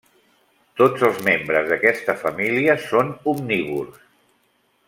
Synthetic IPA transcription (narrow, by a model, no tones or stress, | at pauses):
t̪od͡zəlˠzmembɾəzðəkɛst̪əfəmiliəsonumniβurs